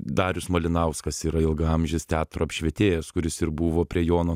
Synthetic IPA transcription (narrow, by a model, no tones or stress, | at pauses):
d̪ɑːɾʲʊsmolʲɪnɐʊskɐsiːɾɐɪlˠɡɐɐmʲʒʲɪst̪ʲæːt̪ɾoːɐpʲʃʲʋʲɛt̪ʲeːjɛskʊɾʲɪsɪɾbuʋoːpʲɾʲiɛjoːnoː